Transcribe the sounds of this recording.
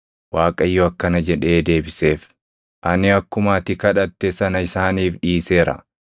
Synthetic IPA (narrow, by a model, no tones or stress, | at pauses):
waːkʼɐjːɔɐkːɐnɐd͡ʒɛᶑe̞ːd̪e̞ːbɪse̞ːf | ʔɐnɪɐkːʊmaːt̪ɪkɐᶑɐt̪ːɛsɐnɐɪsaːniːfᶑiːse̞ːɾɐ̰